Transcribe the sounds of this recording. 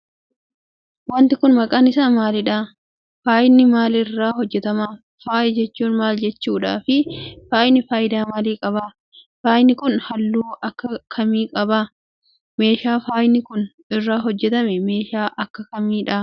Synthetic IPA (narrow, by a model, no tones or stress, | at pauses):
wɐnt̪ɪkʊnmɐkʼaːnɪsɐmaːlɪᶑa | faːjɪnːɪmaːlɪrːaːɦɔd͡ʒːɛt̪ɐmaː | faːʔɪd͡ʒɛt͡ʃːuːnmaːld͡ʒɛt͡ʃːuːᶑa̰ːfɪfaːjnɪfaːjɪd̪aːmaːliːkʼɐbaː | faːjnɪkʊnhɐlːuːɐkːɐkʰɐmiːkʼɐbaː | me̞ːʃaːfaːjnɪkʊn | ɪrːaːɦɔd͡ʒːɛt̪ɐmɛme̞ːʃaːʔɐkːɐkɐmiːᶑɐ